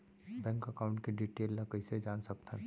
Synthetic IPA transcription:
bɛ̃ːŋkɐkaːʊ̃ɳʈkeɖiːʈeːllakəised͡ʒaːnsɐk̚t̪ɛ̰̃ː

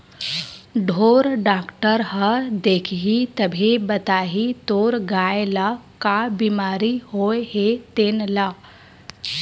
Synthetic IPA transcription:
ɖʱoːɾɖaːkʈəɾɦəd̪eːkʰɦit̪əbʱibɐt̪aːɦit̪oːɾɡaːjelakabiːmaːɾihoeɦet̪eːnlaː

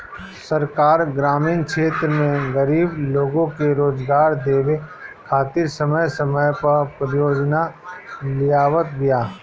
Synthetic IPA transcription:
səɾkaːɾɡɾaːmiːnkʃʰeːt̪ɾəmẽɡəɾiːbloːɡõkeɾoːd͡ʒɡaːɾd̪eːʋekʰaːt̪ɪɾsəməjsəməjpɐɾpɾəjoːd͡ʒnalɪjaːʋət̪ɡɪjaː

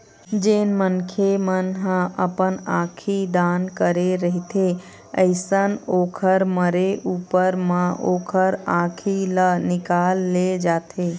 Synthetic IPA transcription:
d͡ʒeːnmənkʰemənɦãʔəpənãːkʰid̪aːnkəɾeɾəɦit̪ʰe | əɪsənoːkʰəɾməɾeʔuːpəɾmãʔoːkʰəɾãkʰilənɪkalːed͡ʒaːt̪ʰe

